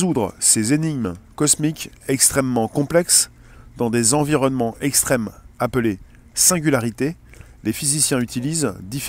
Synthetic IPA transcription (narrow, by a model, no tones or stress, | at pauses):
zud̪ʁə̰sezeniɡmkɔsmikʲɛkst̪χɛmːɑ̃kɔ̃plɛks | d̪ɑ̃d̪ezɑ̃viʁɔnmɑ̃ʔɛkst̪χɛmaple | sɛ̃ɡʲylaʁit̪e | lefizisjɛ̃yt̪ilizd̪if